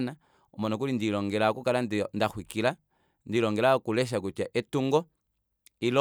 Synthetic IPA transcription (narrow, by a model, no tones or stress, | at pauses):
na | ɔmɔnɔk̬ulindilɔŋɡɛlakukalanndaxwikila | ndilɔŋɡɛlakulɛʃ̬akut͡ʃaʔɛtuŋɡɔ | ilɔ